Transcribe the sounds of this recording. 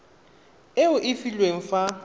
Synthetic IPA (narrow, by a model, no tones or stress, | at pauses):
eʊʔɪfilweŋ̩fa